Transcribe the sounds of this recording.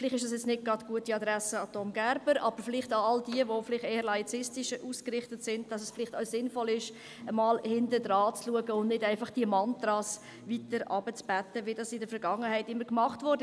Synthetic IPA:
fɪlɪχtɪʃd̥ɑsjɛt͡snɪt̚ɡ̥ɾɑtɡ̥uətiɑdɾæsəɑtomɡæɾb̥əɾɑb̥əfɪlɪχtɑɑldiəʋoflɪχteːəɾlɑit͡sɪstɪʃəʔuskrɾɪχtətsɪndd̥ɑsɛsfɪlɪχtaʊsɪnfɔlɪʃ | əmɑːlhɪndədɾɑːt͡sluəɡəʊndnɪdæɪnfɑχd̥iəmɑntɾɑːs | vitəɾʔɑb̥ət͡sb̥ætːəʋɪdɑsɪdəɾfɛɾɡɑŋːəhæɪtɪmːəɾkmɑχtvʊɾd

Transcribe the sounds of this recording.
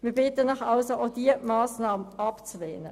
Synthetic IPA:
mɪːɐbɪtənɑχɑlsood̥iəmaːsnɑːməɑpt͡sleːnə̰

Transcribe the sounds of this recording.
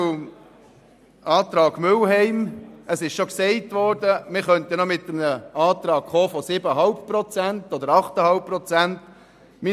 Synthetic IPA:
ɑːt̪ɾɑːɡ̥mʏlɦɛɪməsɪʃʃoksɛɪtʋɔɾdəmɪχœntənɔmɪtəmnəɑːt̪ɾɑːkχoːfɔsɪbəɦɑlppɾɔt͡sæntɔd̪əɾɑχtəhɑlp̚prɔt͡sænt | mi

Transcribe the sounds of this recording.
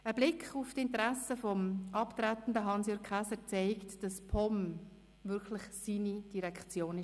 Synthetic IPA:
əblɪkχuftɪntəɾɛsəfɔmʔɑptɾætn̩dəɦɑnsjøːkkʰχæsəɾt͡sɛɪktd̥ɑspʰɔm | vʏkʰlɪχsiːnid̥iɾɛkχt͡sjoːnɪ

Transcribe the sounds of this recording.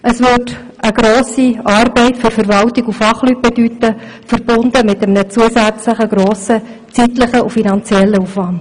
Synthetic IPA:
ʔəsʋʏt | ʔəɡ̥ɾoːsiɑːɾbɛɪtfʏɾfəɾʋɑltiɡufɑχlyt̚b̥edytːə | fəɾb̥ʊnd̪əmɪtəmnət͡suəsæt͡sləχəɡ̥ɾoːsə | t͡sitləχəʔufinɑnt͡sjɛlːəufʋɑnd

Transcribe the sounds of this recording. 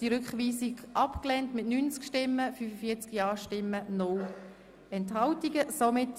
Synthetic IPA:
d̥iɾʏkχʋiːsiɡʔɑpklɛntmɪtnynt͡skʃtɪmːəfyːfəfiːɐt͡skjɑːʃtɪmːənʊl | ɛnthɑltiɡəsomɪt

